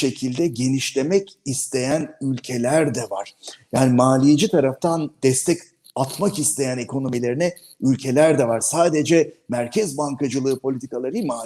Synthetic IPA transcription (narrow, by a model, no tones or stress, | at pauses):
ʃe̞cʰilʲd̪ɛɟe̞niʃlʲe̞mɛcist̪ʰe̞jænylʲcʰe̞lʲæɾd̪ɛvaɾ̥jaːnimaːlʲije̞d͡ʒit̪ʰaɾaft̪ʰand̪ɛst̪ʰɛc | at̪makist̪ʰe̞jæne̞kʰo̞no̞milʲe̞ɾinɛ | ylʲcʰe̞lʲæɾd̪ɛvaɾ̥saːd̪e̞d͡ʒɛmæɾcʰɛzbaŋkad͡ʒɯlˠɯːpʰo̞lʲit̪ʰikalˠaɾɯmaː